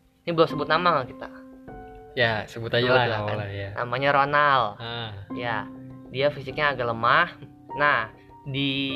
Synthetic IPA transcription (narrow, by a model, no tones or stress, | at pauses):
inibəlosəbʊt̪̚namaŋahkit̪a̰ | jasəbʊt̪ad͡ʒalaaaajanʔa̰maɲaɾonal | jadiafisɪk̚ɲaːɡaləmah | nah | di